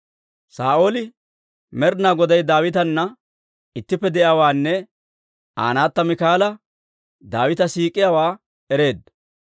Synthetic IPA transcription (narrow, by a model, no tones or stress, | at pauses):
saːʔoːlɪ | mɛɾnaːɡɔd̪ɐjd̪aːwɪt̪ɐnːɐ | ɪt̪ːɪpːɛd̪ɛʔjaːwaːnːɛ | a̰ːnaːt̪ːɐmɪkaːlɐ | d̪aːwɪt̪ɐsiːkʼːɪjaːwaː | ɛɾe̞ːd̪ɐ